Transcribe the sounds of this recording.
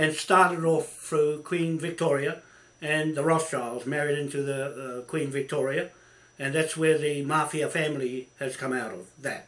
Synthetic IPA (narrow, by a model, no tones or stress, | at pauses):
ɨ̃nstɑɹɾɨɾɔfθɹukʰw̥ĩnvɨk̚tʰɔɹiɨ | ɨ̃nðəɹɑst͡ʃʰɑɹlˠzmɛɹiɾɪ̃ntʉðɨkʰw̥ĩnvɨk̚tʰɔɹiɨ | ɨ̃nðætswə˞ðɨmɑɹfiɨfæ̃mliɨz̥kʰʌ̃maʊɾʌ̰vðɨ̰t̚